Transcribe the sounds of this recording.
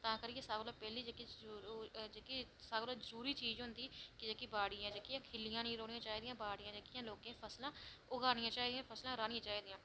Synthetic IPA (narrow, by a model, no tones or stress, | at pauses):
t̪ãːkəɾijesaːɡloːpɛːliːd͡ʒeːki | d͡ʒeːkisaːɡloːd͡ʒəɾuːɾiːt͡ʃiːzɦʊnd̪iːkɪd͡ʒeːkiːbaːɽɪjãːd͡ʒeːkijãːkʰɪlɪjãːnĩːɾoːnɪjãːt͡ʃaːiːd̪ɪjãːbaːɽɪjãːd͡ʒeːkɪjãːloːkẽːpʰəslãːʊɡaːnɪjãːt͡ʃaːiːd̪ɪjãːpʰəslãːɾaːnɪ̃jãːt͡ʃaːiːd̪ɪjãː